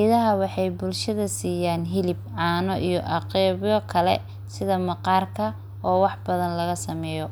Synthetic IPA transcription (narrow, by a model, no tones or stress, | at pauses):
ðɐɦɐwɑħɑjbʊlʃɐðɐsiːjaːnɦɪlɪbʕɑːnɔʔijɔʔɑqɛːβjɔkʰɐlɛ̰ | sɪðɐmɐqɑːrkʰɐ | ɔːwɑħbɐðɐnlɐɣɐsɐmɛːjɔ